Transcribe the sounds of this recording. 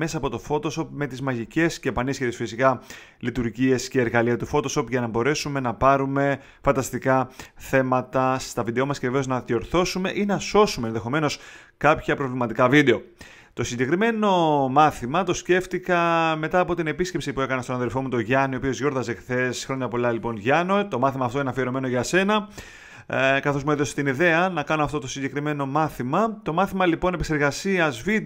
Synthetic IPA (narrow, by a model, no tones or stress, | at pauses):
me̞sɐːpo̞t̪o̞fo̞t̪o̞so̞pme̞t̪izmɐʝice̞scepɐnisçet̪esfisikɐ | lit̪uɾʝie̞sce̞ːɾɣɐliɐt̪ufo̞t̪o̞so̞pʝɐnɐbo̞ɾe̞sume̞nɐpɐɾume̞ | fɐnd̪ɐst̪ikɐθe̞mɐt̪ɐst̪ɐvid̪eomɐsce̞ve̞ve̞o̞znɐðio̞ɾθo̞sume̞ʔinɐso̞sumeːnðe̞xo̞me̞no̞s | kɐpçɐpɾo̞vlimɐt̪ikɐvid̪e̞o̞ | t̪o̞siɲɟe̞kɾime̞no̞mɐθimɐt̪o̞sce̞ft̪ikɐme̞t̪ɐːpo̞t̪ine̞pisce̞psipue̞kɐnest̪onɐðe̞lfo̞mut̪o̞ʝɐniopio̞zʝo̞ɾðɐzexθe̞sxɾo̞ɲɐpo̞lɐlipo̞nʝɐno̞t̪o̞mɐθimɐːft̪o̞inɐfieɾo̞me̞no̞ʝɐse̞nɐ | kɐθo̞zmueðo̞se̥t̪iniðe̞ɐnɐkɐnoɐft̪o̞t̪o̞siɲɟe̞kɾime̞no̞mɐθimɐt̪o̞mɐθimɐlipo̞nepekse̞ɾɣɐsiɐzvi